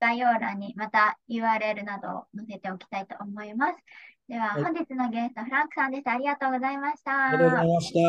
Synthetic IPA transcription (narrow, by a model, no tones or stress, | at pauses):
ɡ̥ajo̞ːɾa̰ɲ̟ːimat̪ajɯ̟ːaːɾɯe̞ɾɯ̟nad̪o̞̰mose̞t̪e̞o̞kʲi̥t̪ait̪o̞ːmo̞imasɨ̥d̪̥e̞β̞ahõ̞ɲ̟d͡ʑit͡sɨno̞ɡe̞sɨ̥t̪o̞ɸɯɾãŋkɯ̟̥sãnd̪e̞ɕi̥t̪aːɾʲiɡat̪o̞ːɡo̞zaimaɕi̥t̪aɾeaoɕt̪e